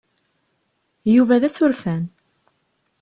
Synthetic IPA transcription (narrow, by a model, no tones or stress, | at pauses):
juvæðæsʊɾfæn